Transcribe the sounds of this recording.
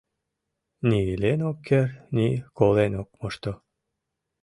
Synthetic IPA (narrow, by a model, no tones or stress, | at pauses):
nilenokʰːernʲikolenokmoʃt̪o